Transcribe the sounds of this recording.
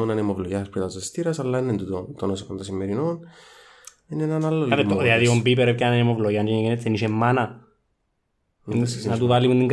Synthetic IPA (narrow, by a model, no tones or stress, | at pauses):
onɐnemovloʝaspɾit̪ɐest̪iɾɐsɐlːainent̪ut̪ot̪onosikond̪ɐsimːeɾinon | inenanalːoemðilaðiombip̬eɾecanenemovloʝand͡ʒinekenet̪ːeniʃemːanɐ | nnɐt̪uvalimunt̪iŋɡ